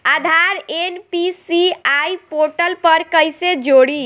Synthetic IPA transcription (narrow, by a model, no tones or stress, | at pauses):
ad̪ʱaɾenpisiajpoʈəlpəɾkəjsed͡ʒoɽi